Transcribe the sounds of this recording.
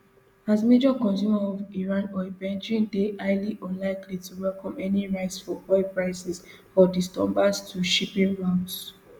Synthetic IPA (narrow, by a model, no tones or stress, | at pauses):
azmed͡ʒɔkɔ̃nsjumaɔviɹãnɔebɛ̃nd͡ʒĩndeʔaɪliʔɔ̃nlaɪklituwɛlkɔ̃mɛniɹaɪtsfɔɔɪpɹaɪsɛs | fɔdistɔmbastʰuʃipĩŋɹãʊ̃nds